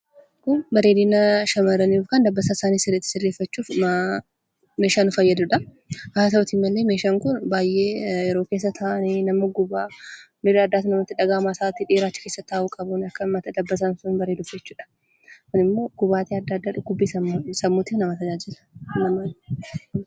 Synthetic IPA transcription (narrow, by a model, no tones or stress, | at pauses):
kʊbɐɾeːd̪iːnɐʃɐmɐɾɐniːufkɐnd̪ɐbːɐsaːsaːniːsɪrːɛt̪ːɪ̥sɪrːeːfːɐt͡ʃːuːf | me̞ːʃaːnʊfɐjːɐd̪ʊᶑɐ | ʔaas̬ɐɔt̪iːmːɐlːeːmeːʃaːŋkʊnbaːjʔːe̞ːjɛɾo̞ːke̞ːs̬ːɐt̪ʰaːʔɐninɐmɐɡʊbaː | nɪɾɐd̪ːaːt̪nɐmɐt̪ːɪᶑɐɡaːmaːsaːt̪ɪᶑeːɾaːt͡ʃːɪ̥keːsːɐt̪ːaːʔuːkʼɐbʊnɐkːɐmɐt̪ɐd̪ɐbːɐs̬ɐnsʊnbɐɾeːd̪ʊfd͡ʒɛt͡ʃːuːᶑɐ̥ | kʊnɪmːo̞ːɡ̥ʊbaːt̪iɐd̪ːɐd̪ːaᶑʊɡʊbːiːsɐsɐmːuːt̪iːfnɐmɐt̪ɐd͡ʒaːd͡ʒɪlɐ̥nɐmɐ